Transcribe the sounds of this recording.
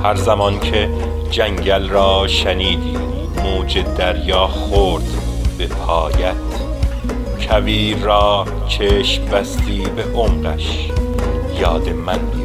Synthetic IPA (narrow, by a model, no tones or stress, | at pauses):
hæɾzæmɒnkʰe | d͡ʒæŋɟælɾɒːʃæniːd̪iː | muːd͡ʒed̪æɾjɑːχoːɾd̪b̥epʰɑːjæt̪ | kʰæviːɾːɒː | cʰeːʃbæst̪iːbeʔomɾæ̰ʃ | jɑːd̪emænd̪i